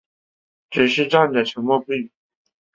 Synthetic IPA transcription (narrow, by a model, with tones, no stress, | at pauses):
ʈ͡ʂɻ̩˨˩ʂɻ̩˥˧ʈ͡ʂa˥˩nd̪ə˨˩ʈ͡ʂʰə˧˥ŋmɔ˥˧pi˥˩˨